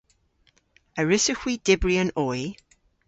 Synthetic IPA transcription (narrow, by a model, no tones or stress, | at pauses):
əɹɪsəxwid̥ɪbɹiənɔj